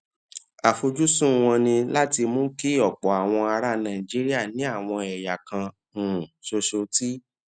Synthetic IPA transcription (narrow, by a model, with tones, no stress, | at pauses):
a˨fo˧d͡ʒu˦sũ˦˨w̃ɔ̃˧nĩ˧la˦ti˧mũ˦ki˦˨ɔ˨k͡pɔ˨˦a˨w̃ɔ̃˧a˧ɾa˦nã˨i˨d͡ʒi˦ɾi˦a˦˨nĩ˨˦a˦˨w̃ɔ̃˧ɛ˨ja˨kã˧ | ũ˨ʃo˧ʃo˧ti˦